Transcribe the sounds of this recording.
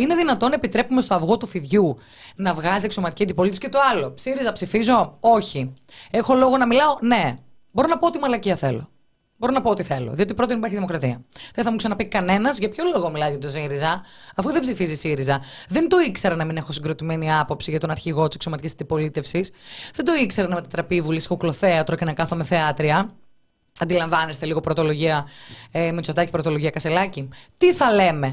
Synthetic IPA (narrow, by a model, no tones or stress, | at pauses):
ine̞ðinɐt̪o̞nɐepit̪ɾe̞pumest̪o̞ɐvɣo̞t̪ufiðʝu | nɐvɣɐzieksomɐt̪iciɐnd̪ipo̞lit̪esi̥cet̪o̞ɐlo̞psiɾizɐpsifizo̞oçie̞xo̞lo̞ɣo̞nɐmilɐo̞ne̞ | bo̞ɾonɐpo̞ot̪imɐlɐciɐθe̞̰lo̞̰ | bo̞ɾo̞nɐpo̞ot̪iθe̞lo̰ðiot̪ipɾot̪inipɐɾçiðimo̞kɾɐt̪iɐðeθɐmuksɐnɐpɐikɐne̞nɐzʝɐpço̞lo̞ɣomilɐizɣɐt̪osiɾizɐɐfuðe̞bzifizisiɾizɐðend̪o̞ikse̞ɾɐnɐmine̞xo̞siŋɡɾo̞t̪imeniɐpo̞psiʝɐt̪o̞nɐɾçiɣo̞t̪isekso̞mɐt̪icisɐnd̪ipo̞lit̪e̞fsisðend̪o̞ikseɾɐnɐme̞t̪ɐt̪ɾɐpiːvulisi̥xoklo̞θe̞ɐt̪ɾo̞cenɐkɐθo̞meθeɐt̪ɾiɐ | ɐnd̪ilɐɱvɐnest̪e̞liɣo̞pɾot̪o̞lo̞ʝiɐemit͡sod̪ɐcipɾot̪o̞loʝiɐkɐselɐcit̪iθɐle̞me̞